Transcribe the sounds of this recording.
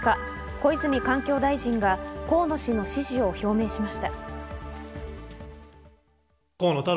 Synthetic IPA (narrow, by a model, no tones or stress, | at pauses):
ka | ko̞it͡sɨmʲikãŋkʲo̞ːd̪aiʑĩŋɡako̞ːno̞ɕino̞ɕiʑio̞ço̞ːme̞ːɕimaɕi̥t̪a | koːnot̪a